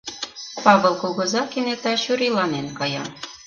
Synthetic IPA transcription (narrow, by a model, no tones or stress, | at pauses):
pɑβɤ̆lˠkolˠɣɤ̆zɑkinet̪ɑɕyɾilɑnenkɑjɑ̰